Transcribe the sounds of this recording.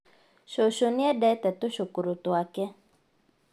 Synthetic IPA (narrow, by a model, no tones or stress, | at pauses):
ʃoʃoniɛdɛtɛt̪oʃokuɾutwakɛ